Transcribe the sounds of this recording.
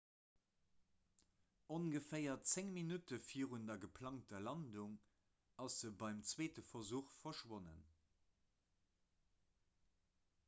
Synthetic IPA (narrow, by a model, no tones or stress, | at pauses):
onɡəfɜɪɐt͡seŋminutəfiəʁundɐɡəpʰlɑŋtɐlɑnduŋ | ɑsz̥əbɑɪmt͡sweːtəfɐzuːχfɐʃwonə̰n